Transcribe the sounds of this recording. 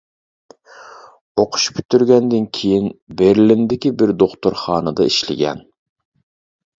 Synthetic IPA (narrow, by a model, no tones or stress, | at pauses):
oqʰʊ̥ʃpʰʲy̥t̪ʰːyɾɡʲɛnd̪ɪnkʲʰejinbeɾlɪnd̪ɪkʲibɪɾd̪oχt̪oɾχɑːnɨd̪ɑiʃlɪ̰ɡʲɛ̰n